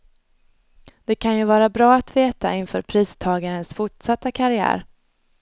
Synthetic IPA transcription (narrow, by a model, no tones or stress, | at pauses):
d̪̥ɛkʰanjɵvɑːɾabɾɑːat̪veːt̪a̰ɪnfœ̰ːɾpʰɾiːst̪ʰɑːɡaɾənsfʊʈsat̪ːakʰaɾɪæ̰ːɾ